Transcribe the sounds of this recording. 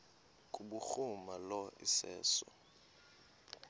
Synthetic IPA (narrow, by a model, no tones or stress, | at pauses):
kʼuɓuxumalɔḭsɛ̰ːsɔ